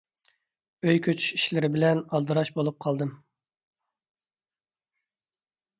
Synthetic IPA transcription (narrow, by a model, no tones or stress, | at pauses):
øjkʲʰøt͡ʃʰy̥ʃiʃlɪɾɪbɪlɛnɑlˠd̪ɨɾɑʃbolˠup̚qʰɑlˠd̪ɨm